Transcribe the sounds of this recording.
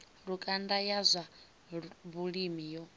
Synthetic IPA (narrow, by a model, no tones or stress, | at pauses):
ɺukʼandajazʷa | βuɺimijɔ